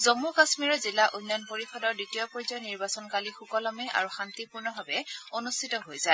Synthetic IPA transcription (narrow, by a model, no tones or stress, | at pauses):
zomukasmiɹɔzilaʔunːɔnpoɹixɔdɔɹditiɔpɔjzɔjniɹbasɔnkalixukɔlɔmɛa̰ɹuxant̪ipuɹnɔbʱabɛonustʰitɔɦojzae